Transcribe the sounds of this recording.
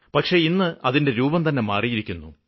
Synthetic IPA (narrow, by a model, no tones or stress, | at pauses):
pɐkʂe̞inːɨʔɐðinde̞ɾuːbɐmt̪ɐnːe̞maːrijiɾikʲːunːu